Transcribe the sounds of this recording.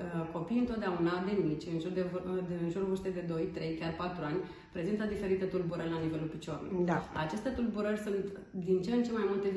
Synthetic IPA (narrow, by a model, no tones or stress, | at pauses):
ko̞pijɨnt̪ot̪d̪aunad̪e̞mit͡ʃʲɨnʒurd̪evnʒurvɨrst̪ed̪e̞d̪o̞jt̪ɾe̞jkʲarpat̪ɾuanʲ | pɾe̞zint̪əd̪ife̞ɾit̪e̞t̪ulbuɾərʲlanive̞lulpit͡ʃo̞rnṵaa̰t͡ʃe̞st̪e̞t̪ulbuɾərʲsunt̪ | d̪int͡ʃent͡ʃe̞majmult̪e̞